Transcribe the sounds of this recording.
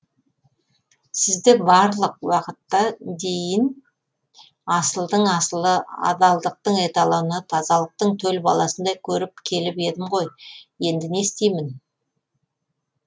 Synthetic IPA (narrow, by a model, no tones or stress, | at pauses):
sɪzd̪ɪbɑɾlˠəq̚wɑqət̪ːɑd̪e̞jɪn | ɑsəlˠd̪əɴɑsəlˠəɑ̰d̪ɑlˠd̪əq̚t̪əɴe̞t̪ɑlˠɑwnɑt̪ʰɑzɑlˠəq̚t̪əɴt̪ʰɵlbɑlˠɑsənd̪ɑjkʲʰɵɾɪp̚kʲʰe̞lɪpe̞d̪ɪmʁo̞jje̞nd̪ɪne̞st̪e̞jmɪn